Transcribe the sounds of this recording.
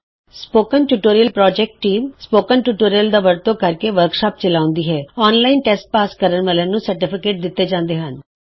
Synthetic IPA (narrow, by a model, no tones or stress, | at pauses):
spoːkənʈuːʈoːɾijəlpɾɔːd͡ʒɛːk̚ʈːiːmspoːkənʈuːʈoːɾijəld̪aːʋəɾt̪õːkəɾkeːʋəɾkʃaːp̚t͡ʃəlaːʊ̃nd̪iːɦɛːɔːnlaːinʈɛsʈ̚paːskəɾənʋəːlənũːsəɾʈɪpʰɪkeːʈ̚d̪ɪt̪ːeːd͡ʒãːnd̪eːɦən